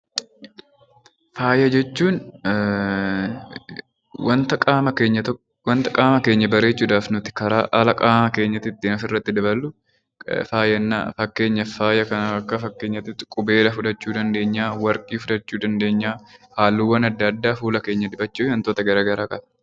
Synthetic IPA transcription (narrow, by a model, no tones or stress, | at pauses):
faːjɐd͡ʒɛt͡ʃːuːn | wɐnt̪ɐkʼaːmɐke̞ːɲːɐt̪ | wɐnt̪ɐkʼaːmɐke̞ːɲːɐbɐɾe̞ːt͡ʃːuːd̪aːfnʊt̪ɪ̥kɐɾaːʔaːlɐkʼaːmɐke̞ːɲːɐt̪ɪt̪ːɪːnɐsɪrːɐt̪ːɪd̪ɐbɐlːʊ | faːjɐnːɐ̰fɐkːe̞ːɲːɐfaːjɐkɐnɐɐkːɐfɐkːe̞ːɲːɐt̪ɪt̪ːɪkʼʊbe̞ːlɐfʊᶑɐt͡ʃːuːd̪ɐnd̪e̞ːɲːaːwɐɾkʼiːfʊᶑɐt͡ʃːuːd̪ɐnd̪e̞ːɲːaːhaːlːuːwɐnɐd̪ːɐːd̪ːaːfuːlɐke̞ːɲːɐd̪ɪbɐt͡ʃːuːɐnt̪oːt̪ɐɡɐɾaːɡɐɾaːkʼɐdɐ